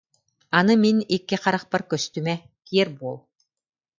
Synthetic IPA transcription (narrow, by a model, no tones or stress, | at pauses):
anɯminikːiqaɾaχpaɾkœst̪ymɛ | kiɛɾbuɔlˠ